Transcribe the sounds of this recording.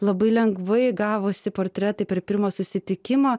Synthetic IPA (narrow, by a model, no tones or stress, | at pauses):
lˠɐbɐɪlʲɛŋɡʋɐɪɡɑːʋoːsʲɪpoːɾʲt̪ʲɾʲɛt̪ɐɪpʲɛɾpʲɪɾmoːsʊsʲɪt̪ʲɪkʲɪmoː